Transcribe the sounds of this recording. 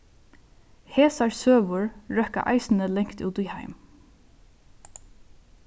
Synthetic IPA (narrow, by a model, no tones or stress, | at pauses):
heːsaɹsøːʋʊɹɹœhka̰ʔa̰ɪsn̩əlɛŋkt̪ṵːt̪iha̰ɪm